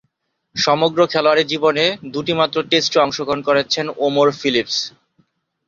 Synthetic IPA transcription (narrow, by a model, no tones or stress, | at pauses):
ʃɔmoɡɾokʰɛloaɾeɾd͡ʑiboned̪uʈimat̪ːɾoʈesʈoɔŋʃoɡʱonkoɾet͡ɕʰenomoɾfilips